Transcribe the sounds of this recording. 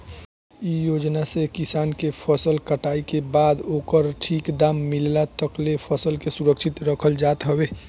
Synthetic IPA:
ijoːd͡ʒnasekɪsaːnkepʰəsəlkəʈaːikebaːd̪oːkəɾʈʰiːkd̪aːmːɪllat̪əklepʰəsəlkesuɾəkʃʰɪt̪ɾəkʰəld͡ʒaːt̪ɦəweː

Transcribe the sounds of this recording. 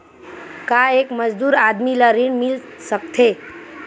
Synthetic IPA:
kaekməd͡ʒd̪uːɾad̪miləɾiɳmilsəkt̪ʰe

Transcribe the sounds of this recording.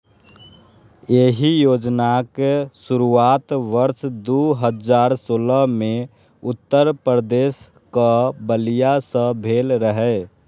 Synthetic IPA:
eɦijoːd͡ʒnakesuɾuaːt̪ʋəɾʃd̪uɦəd͡ʒaːɾsoːləmẽ | ʊt̪ːəɾpɾəd̪eːs | kabəlijasə̃bʱeːlɾəɦɛ

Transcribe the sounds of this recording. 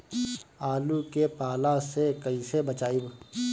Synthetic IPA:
aːlukepaːlasekɐisebɐt͡ʃaːib

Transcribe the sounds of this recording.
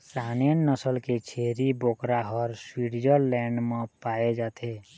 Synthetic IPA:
sanjənːəsəlket͡ʃʰeɾibokɾaɦɔɾswiɾd͡ʒəɾlɛɳɖmẽpaed͡ʒat̪ʰe

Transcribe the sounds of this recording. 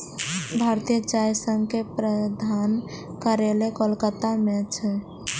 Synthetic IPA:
bʱaɾt̪ijət͡ʃajsəŋɡkepɾəd̪ʱan | kəɾelekolkət̪amẽt͡ʃʰɛ

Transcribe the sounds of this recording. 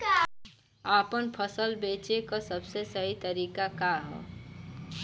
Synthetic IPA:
aːpənpʰəsəlbeːt͡ʃekasəbsesəɦit̪əɾiːkakaɦɛ̰

